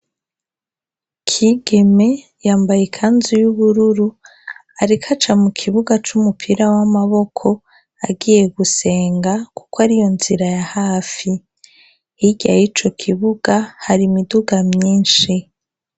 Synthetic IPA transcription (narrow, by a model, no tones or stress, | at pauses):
kʰiɡe̞me̞ | jaːmbajekʰanzujuβuɾuɾu | aɾikʰat͡ʃamukʰiβuɡat͡ʃumupʰiɾawamaβo̞kʰo̞ | aɡiːje̞ɡuse̞ːŋɡaku̥kwaɾijo̞nziɾajahaːfi | iɡa̰jit͡ʃo̞kʰiβuɡ̥ahaɾimiduɡamɲiːnʃi